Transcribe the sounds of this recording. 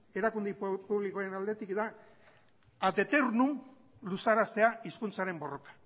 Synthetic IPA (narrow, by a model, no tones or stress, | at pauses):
e̞ɾakund̪ipuβlikoaɾenald̪e̞t̪ikd̪a | d̪e̞t̪eɾnum | lusaɾast̪e̞aiskunt͡saɾe̞mbo̞ro̞kḁ